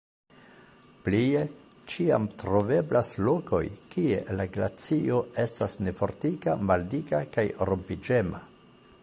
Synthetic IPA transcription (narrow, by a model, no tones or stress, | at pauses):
plie̞ | t͡ʃia̰mtɾo̞ve̞blaslo̞ko̞̰jkie̞̰laɡlat͡sio̞e̞stasne̞fo̞ɾtikamaldikakajɾompid͡ʒe̞ma